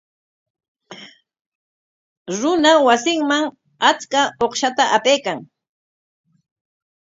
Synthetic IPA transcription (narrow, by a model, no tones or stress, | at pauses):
ɾʊnawasɪŋmaŋ | at͡skaoχʃat̪aʔapejkaŋ